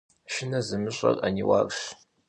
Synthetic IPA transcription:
ʃɪnɐzɨmɨɕʼɐ̰rʼaniwarɕ

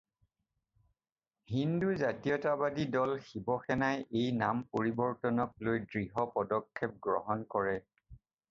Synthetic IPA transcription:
hinduzatijɔtabadidɔlxibɔxɛnajejnampoɹibɔɹtɔnɔk̚lojdɹiɦɔpɔdɔkʰːɛp̚ɡɹɔ̰ɦɔnkɔɹɛ

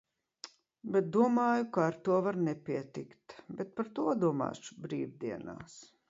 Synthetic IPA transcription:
bɛt̪̚d̪uɔmaːjukaːɾt̪uɔvaɾnɛpʲiɛt̪ikt̪bɛt̪̚paɾt̪uɔd̪uɔma̰ːʃu̥bɾiːvd̪iɛna̰ːs

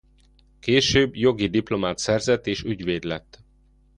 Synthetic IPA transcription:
keːʃøːbjo̞ɡid̪iplo̞maːt̪sɛrzɛt̪ːeːʃyɟʋeːd̪lɛt̪ː

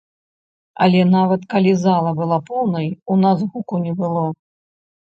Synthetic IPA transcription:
ɐ̰lʲɛnavɐt̪kalʲizalˠɐbɨlˠapɔwnɐjunazɣukunʲɛbɨlˠɔ

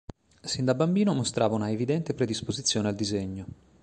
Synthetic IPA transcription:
sind̪abambiːnomost̪ɾaːvaunaevid̪ɛnt̪epɾed̪ispozit̪sːjoːneald̪izeɲːo

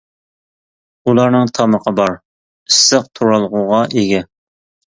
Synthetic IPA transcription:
ulˠɑɾnɨŋt̪ʰɑməqʰəbɑɾ | ɪsːəq̚t̪ʰuɾɑlˠʁʊʁɑʔeɡʲɛ

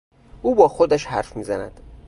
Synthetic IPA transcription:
ʔuːbɒːxod̪æʃhæɾfmiːzænæ̰d̪̥

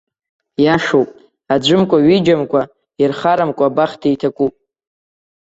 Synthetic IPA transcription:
jaʂowpʼ | ad͡ʒʷɨmkʷʼaɥid͡ʒamkʷʰʼa | irχaɾamkʷʼabaχtʰiitʰakʷʼupʼ

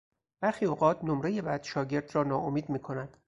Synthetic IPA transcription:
b̥æɾxiːoːɢɒːt̪ʰnomɾejebæd̪̥ʃɒːɟe̞ɾd̪rɒːnɒːʔomiːd̪miːkʰo̞næd̪̥

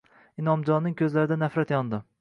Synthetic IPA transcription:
ɪnɒmd͡ʒɒnːɪŋkʲʰɵzlaɾɪd̪anafɾat̪jɒnd̪ɪ

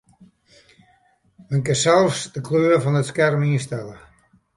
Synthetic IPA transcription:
mənkəsɛlˠfsdəkʰløːəvɔnətskɛrmiəstɛlə

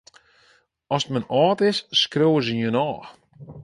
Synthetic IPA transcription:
ɔsətmənɑːtɪsːkrowəzənjənɔːx

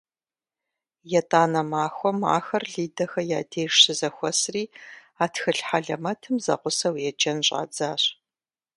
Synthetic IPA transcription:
jɛtʼaːnɐmaːxʷɔma̰ːxɐrɮiːdɐxɐjaːdʰeːʂɨzɐxʷɔsriː | aːtʰxɨɬħaɮɐmɐtʰɨmzɐ̰qʷʊsɐwjɛd͡ʒɐnɕʼa̰ːd͡zaːɕ

